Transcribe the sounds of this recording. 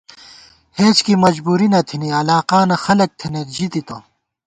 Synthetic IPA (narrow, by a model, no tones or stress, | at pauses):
heːt͡ɕkimɐd͡ʑbuːɾinɐt̪ʰiniɐlaːqaːnɐxɐlɐk̚t̪ʰinet̪d͡ʑit̪it̪o